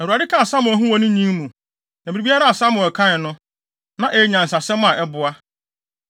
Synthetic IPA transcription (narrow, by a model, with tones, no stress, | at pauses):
ɛ˨u˨a˨dɪ˦kʰa˦˨sã˦mʊ̃˨æ˨ɦũ˦wɔ˦nʊ̃˦ɲĩ˦m˦mũ˨ | nã˨mi˨ɾi˨bi˦a˦ɾa˦a˨sã˦mʊ̃˨ɛ˨kʰã˦ɪ˨nʊ̃˦ | nã˦ʔe˨˦ɲã˨n̩˨s̬a˨sɛ̃˦m˦ã˨ʔɛ˦bʊ˨a˦